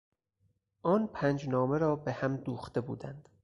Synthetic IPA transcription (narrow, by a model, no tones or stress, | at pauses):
ʔɒːnpʰæːnd͡ʒnɒːmeɾɒːbehæmd̪uːxt̪e̞bṵːd̪ænd̪̥